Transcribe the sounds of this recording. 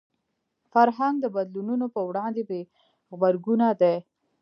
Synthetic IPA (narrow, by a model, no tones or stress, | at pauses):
faɾɦaŋɡd̪əbad̪lununopəwɽɑnd̪ebe | ɣbaɾɡunad̪a